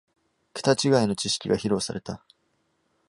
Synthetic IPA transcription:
kɯ̥t̪at͡ɕiɡaino̞t͡ɕiɕi̥kʲiɡaçiɾo̞ːsaɾe̞t̪a

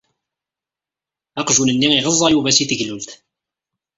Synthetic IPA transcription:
ɑqʒunənːiŋiʁəzˤːɑjuvæsiθəʝlult̪

